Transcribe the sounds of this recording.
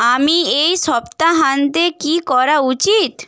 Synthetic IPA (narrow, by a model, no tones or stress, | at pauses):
amiejʃɔbt̪aɦand̪ekikɔɾaut͡ɕit̪